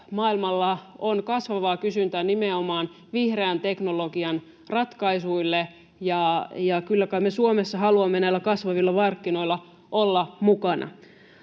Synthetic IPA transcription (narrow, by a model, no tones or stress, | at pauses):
mɑːilmɑlːɑonkɑsʋɑʋɑːkysynt̪ænimeomɑːn | ʋihreænt̪e̞knoloɡiɑn | rɑt̪kɑisuilːe | jɑjɑkylːækɑimesuomesːɑhɑluɑmːenæilːækɑsʋɑʋilːɑʋɑrkːino̞ilːɑ | olːɑmukɑnʔɑ̰